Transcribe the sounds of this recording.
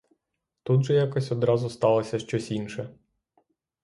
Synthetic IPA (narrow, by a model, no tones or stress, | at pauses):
t̪ud̪ʒɛjakɔsʲɔd̪ɾɑzʊst̪ɑlˠɐsʲɐʃt͡ʃɔsʲinʃɛ